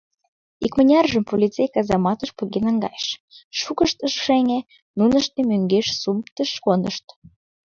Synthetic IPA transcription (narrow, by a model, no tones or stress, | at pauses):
ikmə̆nʲɑrʒəmpolʲit͡sejkɑzɑmɑt̪əʃpuɣenɑŋɡɑ̰jʃʃukəʃt̪əʃʃeŋʲe | nunəʃt̪emøŋɡeʃsumt̪əʃkonəʃt̪